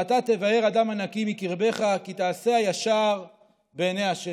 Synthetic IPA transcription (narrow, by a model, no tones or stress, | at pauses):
at̪at̪e̞vae̞ʁadamanakimikiʁbe̞χakit̪aːse̞ajaʃaʁ | beːneaʃe